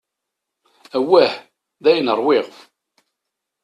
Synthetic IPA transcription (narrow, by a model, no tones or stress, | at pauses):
æwːæħ | ðæjnəɾˤwɪʁf